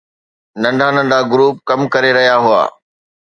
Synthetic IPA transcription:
nɐ̃ɳɖʱanɐ̃ɳɖʱaɡʊɾuːp̚kɐmkɐɾeɾɐɦijaɦʊa̰ː

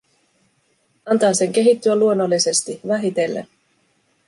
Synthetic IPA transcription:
ɑnt̪ɑːse̞ŋk̟e̞ɦit̪ːyælːuonːo̞lːise̞st̪iʋæɦit̪e̞lːḛ

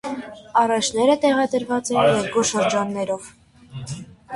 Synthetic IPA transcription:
ɑrɑt͡ʃʰn̪ɛɾət̪ɛʁɑd̪əɾvɑt͡sɛnjɛɾɡuʃəɾd͡ʒɑnːɛɾɔv

